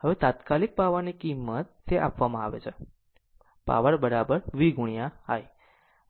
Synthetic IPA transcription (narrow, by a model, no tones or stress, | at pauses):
həʋet̪at̪kalik̚paʋanikimːət̪ːeʔa̰pʋamãaʋḛt͡ʃʰe | pa̰ʋəɾbəɾabəɾʋiɡuɳ̃jaaj